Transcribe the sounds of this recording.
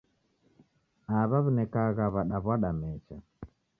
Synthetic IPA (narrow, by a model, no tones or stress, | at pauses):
aβaβunɛkaɣaβaɗaβwaɗamɛt͡ʃa